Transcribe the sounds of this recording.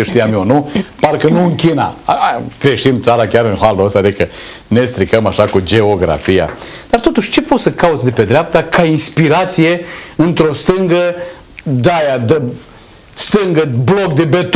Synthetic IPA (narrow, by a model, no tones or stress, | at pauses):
eʃt̪ijamionuparkənuɨŋkʲina̰kɾe̞ʃimt̪saɾakʲaɾɨnxaluəst̪ad̪ikə | ne̞st̪ɾikəmaʃakud͡ʒe̞oɡɾa̰fija̰ | d̪̥art̪o̞t̪uʃʲt͡ʃe̞po̞t̪səkaut̪sʲd̪e̞pe̞d̪ɾeap̚t̪akʰainspiɾat̪sije̞ɨnt̪ɾo̞st̪ɨŋɡə | d̪ajad̪ə | st̪ɨŋɡəblok̚d̪ebet̪